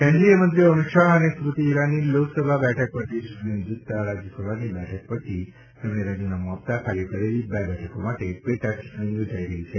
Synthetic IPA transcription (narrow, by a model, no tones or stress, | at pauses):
kʰɛ̃ɳɖlijəmənt̪ɾiəmiʃaɦənesɾut̪iːɾaniloɡsəbʱabɛʈʰək̚pəɾt̪ʰisunend͡ʒut̪ːaɾad͡ʒəsəbʱanibɛʈʰək̚pəɾt̪ʰi | t̪emɽeɾad͡ʒunamɦəpt̪akʰaɾijəkəɾelibɛbɛʈʰəkomaʈepeʈakʈɽĩŋod͡ʒaiɾəɦit͡ʃʰe